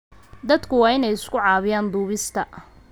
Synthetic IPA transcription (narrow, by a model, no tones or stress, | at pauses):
d̪ɐd̪kʰʊwɑːɪnɛjɪskʰʊʕɑːβɪjaːnd̪uːβɪst̪ʰɐ